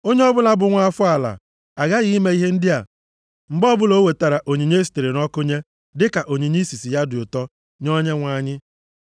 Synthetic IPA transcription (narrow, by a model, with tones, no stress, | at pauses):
o˦ɲe˦ɔ˦bʊ˦la˦bʊ˨ŋʷa˦fʊ˦a˨la̰˨ | a˨ɡa˦ɣi˦me˦i˦ɦe˦n̩˦dɪ˦a˨ | ŋ͡m̩˨ɡ͡bɔ˦bʊ˦lo˦we˨ta˨ɾa˨ʔo˨ɲi˨ɲe˦si̥˨te˨ɾe˨nɔ˦kʊ˦ɲe˦ | dɪ˦ka˨ʔo˨ɲi˨ɲi˦si˨si˨ja˦dʊ˨ʊ˨tɔ˦ | ɲɔ˦ɲe˦ŋʷa˦ɲɪ˦